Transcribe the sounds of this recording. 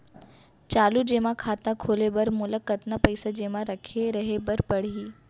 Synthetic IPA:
t͡ʃaːlud͡ʒeːmakʰaːt̪ãkʰoːlebɐɾmʊləkːət̪napɐɪsad͡ʒeːmaɾɐkʰeɾɐɦebɐɾpɐɽ̤iː

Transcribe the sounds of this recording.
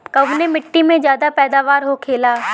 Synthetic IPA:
kɐʋnemɪʈːimẽzjaːd̪apɛːd̪aːʋaːɾɦokʰeːlaː

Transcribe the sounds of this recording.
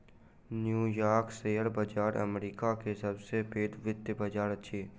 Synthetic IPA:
njuːjaːɾkseːjəɾbəd͡ʒaːɾə̰mɾiːkakesɐbsepeːd̪ʋɪt̪jəbɐd͡ʒaːɾətːʃʰeː

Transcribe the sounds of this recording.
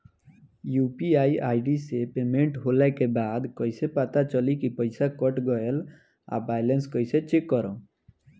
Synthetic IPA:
juːpiaːiʔaɪɖisepemẽɳʈɦolɛkebaːd̪kɔjsepat̪at͡ʃəlikipəɪsakɔʈɡɔel | a̰bajlenskɔjset͡ʃekːɔɾɔ̃

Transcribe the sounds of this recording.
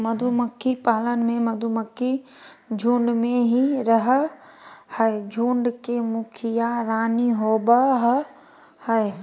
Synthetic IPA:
mɐd̪ʱuməkʰːipaːlənmẽmɐd̪ʱuməkːi | d͡ʒʱũːɳɖmẽɦiɾɐɦ | həed͡ʒʱũːɳɖkemʊkʰijaɾaːniɦoːbəɦ | həe

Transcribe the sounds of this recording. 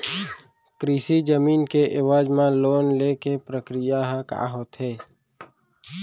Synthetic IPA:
kɾiːsid͡ʒəmiːnkeʔɪwaːd͡ʒmãloːnleːkepɾəkɾɪjaɦka̰ːɦoːt̪ɦeː

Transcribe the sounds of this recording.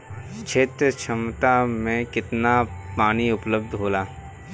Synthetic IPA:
t͡ʃʰeːt̪ɾət͡ʃʰəmt̪amẽkɪt̪napaːñiʊpləb̚d̪ʱɦoːlaː

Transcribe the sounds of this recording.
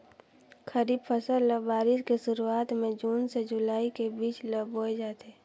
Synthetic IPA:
kʰəɾiːbpʰəsəlləbaːɾɪskeʃʊɾuaːt̪mẽd͡ʒuːnsed͡ʒʊlaːikebiːt͡ʃləboːed͡ʒaːt̪eː

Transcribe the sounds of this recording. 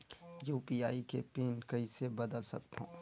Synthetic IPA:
juːpiaːikepeːnkɐisebɐd̪əlsɐ̰k̚t̪ɦõ̰ː

